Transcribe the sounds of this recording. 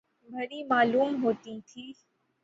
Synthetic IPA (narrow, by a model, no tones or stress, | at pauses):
bʱəɽiːmaːluːmɦoːt̪ĩt̪ʰiː